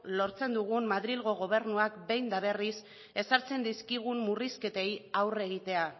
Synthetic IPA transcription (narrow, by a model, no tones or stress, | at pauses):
lo̞ɾt͡se̞nd̪uɣ̞ummaðɾilɣo̞ɣ̞o̞β̞e̞ɾnuakbe̞jnd̪aβ̞e̞ris | e̞saɾt͡se̞nd̪iskiɣ̞ummuriske̞t̪e̞jawre̞ɣ̞it̪e̞a